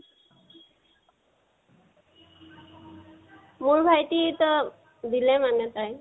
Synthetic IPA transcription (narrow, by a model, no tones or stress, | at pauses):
muɭbʱajʈit̪ɔ | d̪ilɛmamɛt̪aj